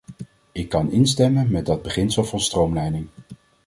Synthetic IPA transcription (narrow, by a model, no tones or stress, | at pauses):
ɪkːɑnɪnstɛmənmɛdɑd̚bəχɪnsəlˠvɑnstrowmlɛjnɪŋ